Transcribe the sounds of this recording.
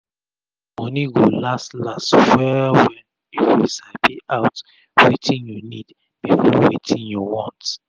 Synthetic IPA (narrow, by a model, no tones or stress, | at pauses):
mɔ̃niɡolastlastwɛwɛ̃n | jiwisapiʔaʊt | wetʰĩnjunid | b̥ifɔwḛtʰĩnjɔwɔ̃nt